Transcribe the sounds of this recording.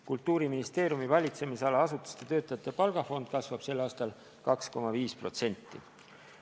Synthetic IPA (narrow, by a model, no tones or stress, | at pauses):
kult̪ːˑuːɾiminist̪e̞ːɾjumivɑlʲit̪se̞miseɑlɑɑsut̪ːˑu̥st̪e̞t̪ø̞ːt̪ːˑɑjɑt̪ːˑepɑlɡ̥ɑfo̞nd̪̥̚kɑsvɑb̥se̞lːɑːst̪ɑl | kɑksko̞mɑviːspro̞t̪se̞nʲt̪ːˑi